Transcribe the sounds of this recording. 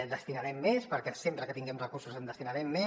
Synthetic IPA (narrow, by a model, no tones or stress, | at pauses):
d̪əst̪inaɾɛmːespəɾkɛsempɾəkət̪iŋɡɛmrəkursuzənd̪əst̪inaɾɛmːe